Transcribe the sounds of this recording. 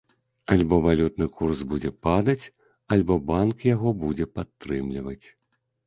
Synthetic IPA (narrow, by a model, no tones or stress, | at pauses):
alʲbɔvalʲut̪̚nɨkursbud͡zʲɛpad̪ɐt͡sʲ | alʲbɔbankjaɣɔbud͡zʲɛpat̪ːɾɨmlʲivɐt͡sʲ